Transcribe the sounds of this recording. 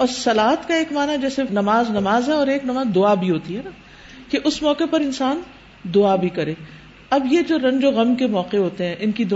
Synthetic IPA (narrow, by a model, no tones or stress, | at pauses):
ɔːɾsɐlaːɦət̪kaeːkmaːnaɦɛd͡ʒɛːsenɐmaːznɐmaːzɦɛɔːɾeːknɐmaːzd̪ʊabʱiɦoːt̪iɦɛːnaː | keʔʊsmɔːqepɐɾɪnsaːn | d̪ʊabʱikɐɾeː | ɐbjed͡ʒoːɾɐ̃ɲd͡ʒoɣɐmkemɔːqeɦoːt̪eɦɛ̃ʔɪnkid̪ʊ